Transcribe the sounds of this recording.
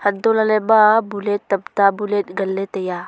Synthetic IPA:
hɐd̪olɐlebabulet̪ːɐbt̪abulet̪ɡɐlːet̪ɐja

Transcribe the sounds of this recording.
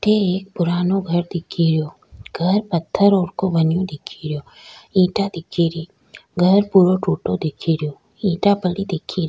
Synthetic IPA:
ʈeeːk̚pʊɾaːnoɡʱɐɾd̪ɪkʰiɾɪjoː | ɡʱɐɾpɐt̪ʰːəɾoːɾkobɐnjõd̪ɪkʰiɾɪjoː | ĩːʈad̪ɪkʰːiɾiː | ɡʱɐɾpuːɾoʈuːʈod̪ɪkʰiɾɪjoː | ĩːʈapəɽid̪ɪkʰiɾ

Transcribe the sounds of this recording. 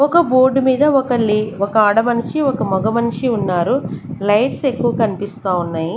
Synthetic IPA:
ɔkɐboːɾɖmiːd̪ɐɔkɐɭːiɔkɐːɽɐmɐnuʂiɔkɐmɔɡɐmɐnʂiunːaːɾulɐjʈse̞kːuʋɐkɐnipist̪aːunːaːji

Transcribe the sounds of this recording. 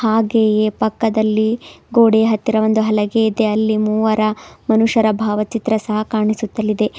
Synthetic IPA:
haːɡeːje̞ːpɐkːɐd̪ɐlːiɡoːɽeɦɐt̪ːiɾɐʋond̪uɦɐlɐɡeːid̪e̞ɐlːimuːʋɐɾɐmɐnuʂɐɾɐbʱaːʋɐt͡ʃit̪ɾɐsɐɦɐkaːɳisut̪ːɐlːid̪e̞

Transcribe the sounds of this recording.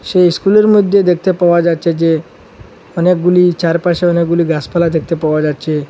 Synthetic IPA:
ɕeiskuləɾmud̪ʱːed̪ek̚ʰt̪epəʋad͡zat̪̚t͡ɕed͡ʑe | ənek̚ɡuliːt͡ɕaɾpaɕeənek̚ɡuliɡaspalad̪ekʰt̪epəʋad͡zat̚t͡ɕe

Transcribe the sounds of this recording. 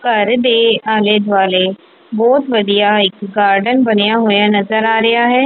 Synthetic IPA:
kəɾd̪eːaːled̪ʋaːleː | bɔːt̪ʋəd̪ijaːɪkɡaːɾɖənbənejaːɦoːjaːnəzəɾaːɾɪɦaːɦɛː

